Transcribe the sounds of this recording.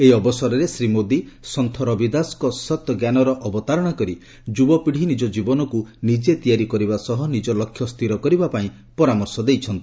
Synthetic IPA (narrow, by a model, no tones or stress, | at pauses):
eiɔbɔsɔɾɔɾesɾimod̪isɔnt̪ʰɔɾɔbid̪askɔsɔt̪ɡjanɔɾɔʔɔbɔt̪aɾɔɽ̃akɔɾi | d͡ʒubɔpiɽ̤inid͡ʒɔd͡ʒibɔnɔkunid͡ʒet̪ijaɾikɔɾibasɔɦɔnid͡ʒɔlɔkʰjɔst̪ʰiɾɔkɔɾibapaĩ | pɔɾamɔɾsɔd̪ejt͡ʃʰɔnt̪i